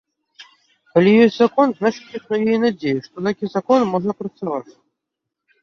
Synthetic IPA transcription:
kalʲijosʲtʲzakɔnznaʂɨ̥tʲixnɔjejnad͡zʲejuʂt̪ɔt̪akʲizɐkɔnmɔʐəpɾət̪sɐvat͡sʲ

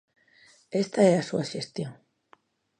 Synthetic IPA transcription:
e̞st̪aeɾasuaʃest̪joŋ

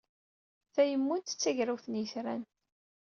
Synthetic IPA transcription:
θæjəmːʊnt̪ə̥t͡sːæʝɾawθənjəθɾæn

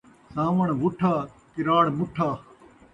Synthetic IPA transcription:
sãːʋɐɳʋʊʈʰaː | kɪɾaːɽmʊʈʰaː

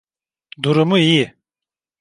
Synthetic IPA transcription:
d̪uɾumuiji

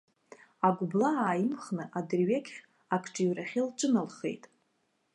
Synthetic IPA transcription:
aɡʷʊblaaːjimχnɨʔadrɥekʲχʲ | akʰʈ͡ʂʼiɥraχʲɪlʈ͡ʂʼɨnalχe̞̰jtʼ

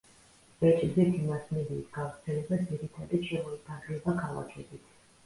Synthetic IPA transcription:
v̥ɛt͡ʃʼizɛt̪ʰinasmɛd̪iːsɡavɾt̪sʰɛlɛbad̪d̪iɾit̪ʰad̪iʃʰɛɔlid̪ʰaɡɛbakʰalˠa̰kʰɛbit̪ʰ

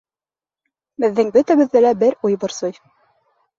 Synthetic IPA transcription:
bɘ̆ðːɘŋbɵt̪æβɘ̆ðːælæbɘɾujbɤ̆ɾsɤj

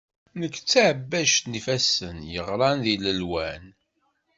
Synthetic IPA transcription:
nəkːt͡sːaʕəbːæʃt̪nifæsənjəʁɾˤɑnðiləlwæn

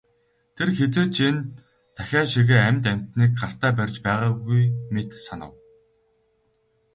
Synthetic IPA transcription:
t̪ʰerxet͡seːt͡ɕʰin | t̪ʰaxʲaːʃiɣeːæmʲt̪æm̥ʲt̪niːk̚ɢar̥t̪æːpærʲt͡ɕpæːʁaːɣujmet̪sanə̆w

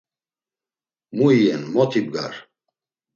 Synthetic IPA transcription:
muijɛnmɔt̪ʰib̚ɡa̰ɾ

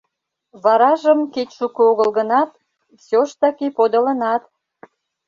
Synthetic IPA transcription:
βɑɾɑʒəmket͡ɕʲʃukuoɣəlɣənɑt̪ | sʲoʃt̪ɑkepod̪ə̆lə̆nɑt̪

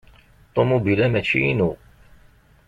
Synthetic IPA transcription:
t̪ˤomubilæmæt͡ʃːḭinu

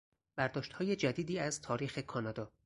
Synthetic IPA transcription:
b̥æɾd̪ɒːʃt̪hɒːjed͡ʒæd̪iːd̪iːæzt̪ʰɒːɾiːxe̞kʰɒːnɒːd̪ɒː

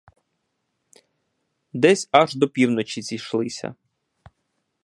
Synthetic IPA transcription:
d̪ɛsʲɐʒd̪ɔpʲiwnɔt͡ʃizʲijʃlˠɪsʲɐ̰

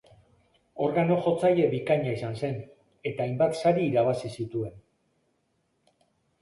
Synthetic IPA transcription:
o̞ɾɣano̞ʝo̞t͡saje̞βikaɲaesanse̞n | e̞t̪aːjmbat̪saɾiːɾaβ̞asisit̪ue̞n

